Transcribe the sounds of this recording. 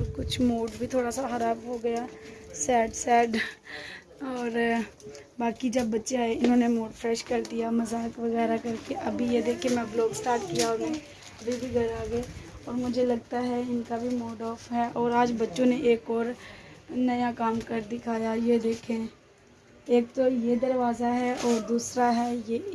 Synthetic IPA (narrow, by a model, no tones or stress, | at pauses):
kʊt͡ʃʰmoːɖbʱit̪ʰoːɽasaxɐɾaːbɦoɡɐjasɛːɖsɛːɖ | ɔːɾ | baːkid͡ʒɐbːɐtːʃeɦɛɪnɦõːnemoːɖfɾɛːʃkɐɾd̪ijamɐzaːkʋɐɣɛːɾakɐɾkeʔɐbʱijed̪eːkʰemɛ̃blɔːɡsʈaːɾʈkijaɔːɾmɛ̃ | ɐbʱibʱiɡʱɐɾaːɡəeɔːɾmʊd͡ʒʱelɐɡ̚t̪aɦɛɪnkabʱimoːɖɔːfɦɛʔɔːɾaːd͡ʒbɐtːʃõneʔeːkɔːɾ | nɐjakaːmkɐɾd̪ɪkʰaːjajed̪eːkʰẽ | eːkt̪ojed̪ɐɾʋaːzaɦɛʔɔːɾd̪uːsɾaɦɛːje